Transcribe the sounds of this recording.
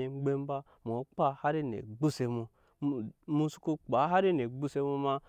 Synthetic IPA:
e˨˦ɡ͡be˦m˦ba˦ | m˨o˨˦k͡pa˦ha˦ɾi˦nḛ˨ɡ͡bu˦se˧mu˧ | mu˧su̥˦ku˧k͡pa˨˦ɦa˦ɾi˦ne˨ɡ͡bu˦se˧mu˧ma˧

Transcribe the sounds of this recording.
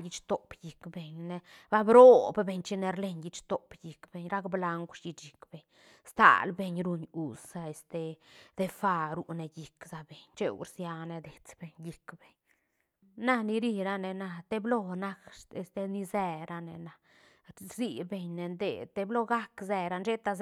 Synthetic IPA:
ji˧t͡ʃt̪o˨pji˨kbe˨ɲne˧ | ba˦bɾo˦bbe˨˧ɲt͡ʃi˦ne˧ɾle˧ɲji˧t͡ʃt̪o˨pji˨kbe˨ɲɾa˦kbla˧ŋɡʷʂji˧t͡ʃi˨kb̥e˨ɲ | st̪a̰˨lbe˧ɲɾu˧ɲu˨sza˧e˨st̪e˧d̪e˧fa˧ɾu˧˨ne˧ji˨kza˧be˨ɲt͡ʃe˦ṵ˧ɾsja˧ne˧d̪e˨t͡sbe˨ɲji˨kbe˨ɲ | na˦ni˧ɾi˦˧ɾa˧ne˨na˧t̪e˦blo˦na˦ke˧st̪e˧ni˧ze˧ɾa˧ne˨na˨ | zi˧be˨ɲne˧nd̪ḛ˨t̪e˧blo˦ɡa˦kze˧ɾa˧nʃe˦t̪a˧z

